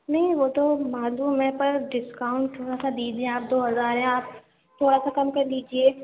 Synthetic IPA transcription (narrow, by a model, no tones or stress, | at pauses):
nɐɦĩʋoːt̪omaːzumẽpɐɾɖɪskaːʊ̃ɳʈ̚t̪ʰoːɽasad̪iːd͡ʒiẽaːp̚d̪oːɦɐzaːɾɦɛ̃aːp̚ | t̪ʰoːɽasakɐmkɐɾliːd͡ʒieː